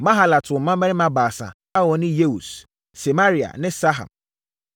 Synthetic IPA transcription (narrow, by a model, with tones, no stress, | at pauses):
mã˦ɦa˨la˨tʰʊ˨ɔ˨mã˦mɛ̃˦ɾɪ˦mã˦baː˨sa̰˨ | a˦wɔ˨nɪ̃˦je˦u˨s | se˨ma˦ɾi˨a̰˨nɪ̃˦sa˦ɦa̰˨m